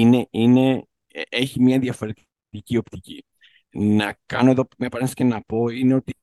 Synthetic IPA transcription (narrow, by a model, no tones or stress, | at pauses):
ineine̞ | eçimɲɐðjɐfɐɾit̪ | ticio̞pt̪icḭ | nɐkɐno̞e̞ðo̞mepɐɾesi̥ce̞nɐpo̞ine̞o̞t̪i